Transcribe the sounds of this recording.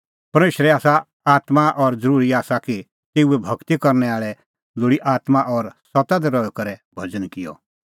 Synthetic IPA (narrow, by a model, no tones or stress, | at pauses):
pɐɾmeːʃɾɛaːsa | aːt̪maʔɔɾd͡zəɾuːɾiaːsaki | t̪eːuɛbʱɐkt̪ikɐɾnɛaːɭɛ | lʊɽiʔaːt̪mãʔɔɾsɔt̪ad̪ɛɾɔjɔkɐɾɛbʱɐd͡zənkɪjɔ̰